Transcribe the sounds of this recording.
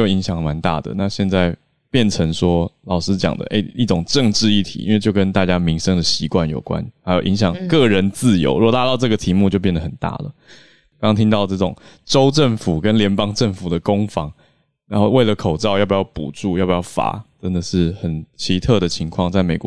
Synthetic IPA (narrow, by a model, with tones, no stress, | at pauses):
jo˥˨˩i˧˥ŋɕjɑ˨˩ŋma˧˦nt̪a̰˥˩d̪ə̰˩na˥˧ɕjɛ˥˧nt͡sa˥˧ɪ | pjɛ˥˩nʈ͡ʂʰɤ˧˥ŋʂwɔ˥lɑ˨˩ʊʂɻ̩˥t͡ɕjɑ̰˨˩ŋd̪ə̰˩ʔḛ˥˩ɪi˥˩ʈ͡ʂʊ˨˩ŋʈ͡ʂə˥˧ŋʈ͡ʂɻ̩˥˧i˥˩t̪ʰḭ˨˩ḭ˦nwe˥˧t͡ɕjo˥˩ʊkə˦˥nt̪a˥˩t͡ɕja˥mi˧˥ŋʂə˥ŋd̪ə˩ɕi˧˥kwa˥˩njo˨˩ʊkwa̰˦nxa˧˥ɪjo˨˩ʊʔi˧˥ŋɕ̬jɑ˨˩˦ŋkɤ˥˩ɻə˧˥nt͡sɹ̩˥˩jo̰˧˥ʊɻu˥ɔ˨˩t̪a˥˧t̪ɑ˥˧ʊʈ͡ʂɤ˥˩ɡə˩t̪ʰi˧˥mu˥˧t͡ɕo˧p̬jɛ˥˩nd̪ə˩xə˨˩nt̪a̰˥˩lə̰˩ | kŋɑ˥ŋt̪ʰi˥ŋt̪ɑ˥˧ʊʈ͡ʂɤ˥˩ʈ͡ʂʊ̰˨˩ŋʈ͡ʂo˥ʊʈ͡ʂə˥˩ŋfu˨˩kə˦˥nljɛ˧˥npɑ˥ŋʈ͡ʂə˥˩ŋfu˨˩d̪ə˦kʊ˥ŋfɑ˧˥ŋ | ɻa˧˥nxo˥˧ʊwe˥ɪlə˩kʰo˨˩ʊʈ͡ʂɑ˥˧ʊjɑ˥˩pjɑ˥˩ʊpṵ˨˩ʈ͡ʂu˥˩jbu˨˩jɑ˥˩fa̰˨˩˦t̪ə˦nd̪ə˨ʂɻ̩˥˩xə˨˩nt͡ɕʰi˧˥t̪ʰɤ˥˩d̪ə˩t͡ɕʰi˧˥ŋkʰwɑ˥˧ŋt͡sa˥˩ɪme˨˩ɪkw